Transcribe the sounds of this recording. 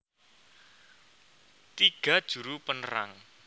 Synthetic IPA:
t̪iɡ̥a̤d̥ʒ̥ṳɾupənəɾa̰ŋ

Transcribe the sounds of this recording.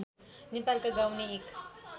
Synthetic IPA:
nepalkaɡawneːk

